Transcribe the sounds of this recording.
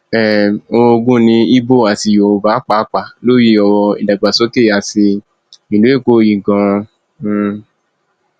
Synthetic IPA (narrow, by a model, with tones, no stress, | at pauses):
ɛ˨o˧ɡũ˦nĩ˧i˦bo˦˨a˨ti˧˨jo˨˧ba˨˦k͡pa˦k͡pa˨lo˦ji˦ɔ˧wɔ˧ḭ˨da˨ɡ͡ba˨so˦ke˦˨a˨si˧ | ĩ˨lo˨˦e˦˨ko˦ji˨ɡã˧